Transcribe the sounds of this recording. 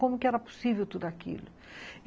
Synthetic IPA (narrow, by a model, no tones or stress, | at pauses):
komʊkɪɛɾɐpu̥sivɛwt̪ud̪uakḭlʊ